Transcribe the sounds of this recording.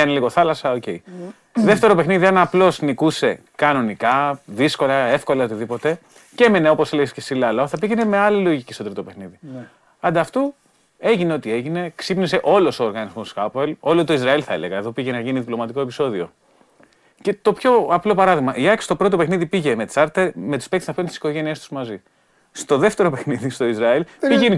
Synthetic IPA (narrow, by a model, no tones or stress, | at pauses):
ɐneliɣo̞θɐlɐsɐoce̞i | ðeft̪e̞ɾo̞pe̞xniðiɐnɐplo̞znikuse̞ | kɐno̞nikɐðisko̞lɐe̞fko̞lɐeot̪iðipo̞t̪e̞ | cemeneo̞po̞seleescesilɐlɐoθɐpiʝene̞me̞ɐlilo̞ʝicist̪o̞t̪ɾit̪o̞pe̞xniði | ɐnd̪ɐːft̪u | e̞ʝineo̞t̪ie̞ʝine̞ksipnis̬e̞ʔo̞lo̞soːɾɣɐnizmoskɐpoelo̞lot̪o̞izɾɐilθɐele̞ɣɐeðo̞piʝe̞nɐʝiniðiplo̞mɐt̪iko̞episo̞ðio̞̰ | ce̞t̪o̞pço̞ɐplo̞pɐɾɐðiɣmɐʔiɐki̥st̪opɾo̞t̪opexniðipiʝe̞met͡sɐɾt̪emet̪i̥spekt̪e̥snɐfent̪isi̥ko̞ʝe̞niest̪u̥zmɐzi | st̪o̞ðe̞ft̪e̞ɾo̞pe̞xniðist̪o̞izɾɐilpiʝen